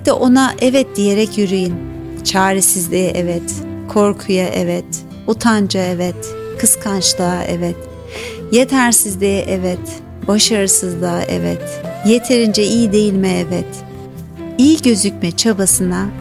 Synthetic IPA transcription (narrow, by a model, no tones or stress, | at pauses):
d̪ɛ̰ʔo̞naʔɛvɛt̪̚d̪̥ije̞ɾɛcjyɾyjin | t͡ʃʰaːɾisizlʲiʔɛvɛt̪kʰo̞ɾkʰujaʔɛ̰vɛt̪ | ut̪ʰand͡ʒaevɛt̪ | kʰɯskʰant͡ʃlˠaːʔevɛt̪ | je̞t̪ʰæɾsizd̪ʲiʔɛvɛt̪ | baʃaɾɯsɯzlˠaːʔɛ̰vɛ̰t̪je̞t̪ʰe̞ɾind͡ʒɛijid̪e̞jilʲmɛevɛt̪ | ijiɟø̞zycmɛt͡ʃʰabasɯna